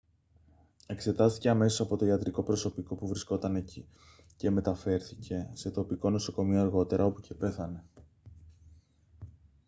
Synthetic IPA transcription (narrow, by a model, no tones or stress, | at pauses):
e̞kse̞t̪ɐst̪i̥ce̞ɐme̞so̞sɐpo̞t̪o̞iɐt̪ɾiko̞pɾo̞so̞piko̞puvɾisko̞t̪ɐne̞ci | ce̞me̞t̪ɐfe̞ɾθice̞se̞t̪o̞piko̞no̞so̞ko̞mio̞ɐɾɣo̞t̪e̞ɾʔɐo̞pucʰe̞pe̞θɐne̞